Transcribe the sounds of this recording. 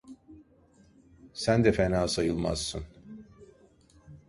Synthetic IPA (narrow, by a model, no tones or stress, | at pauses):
sænd̪ɛfenaːsajɯlˠma̰zsɯn